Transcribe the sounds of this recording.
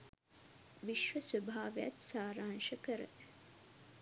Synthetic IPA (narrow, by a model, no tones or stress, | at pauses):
ʋiʃʋəsʋɐbʱaːʋejɐt̪saːɾaːnʃɐkəɾə̰